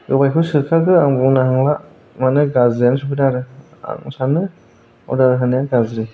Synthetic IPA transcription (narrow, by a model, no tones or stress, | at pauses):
ɡɯbajkʰɯsɯkʰakɯaŋbɔŋnaɦaŋla | manɯɡazɾijansupʰidaɾɯ | a̰ŋsanɯ | ɔ̰daɾɯɦanɯjaɡazɾi